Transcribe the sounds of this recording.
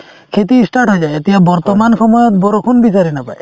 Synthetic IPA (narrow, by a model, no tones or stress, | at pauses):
kʰet̪̬isʈaɾʈɦojd͡ʒaeet̪iɦabɔɾt̪ɔmanʃɔmɔjɔt̪bɔɾokʰunbit͡ʃaɾenapa̰e